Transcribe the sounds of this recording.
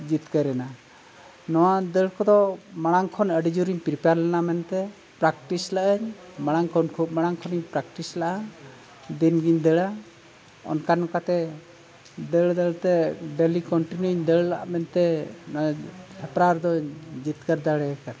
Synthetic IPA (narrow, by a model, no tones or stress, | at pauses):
d͡ʒit̪kəɾɛna | nɔwad̪ɛɭkɔd̪ɔmaɽ̃aŋkʰɔnəɖid͡ʒuɾiɲpɾipaɾlɛnamɛnt̪ɛ | pɾak̚ʈislaʔəɲmaɽ̃aŋkʰɔnkʰup̚maɽ̃aŋkʰɔniɲpɾak̚ʈislaʔa | d̪inɡiɲd̪ɛɭa | ɔ̰nkanɔkat̪ɛ | d̪ɛɭd̪ɛɭt̪ɛɖɛlikɔɳʈinuɲd̪ɛɭlaʔmɛnt̪ɛnɔahɛpɾaɾd̪ɔd͡ʒit̪kəɾd̪aɽɛkan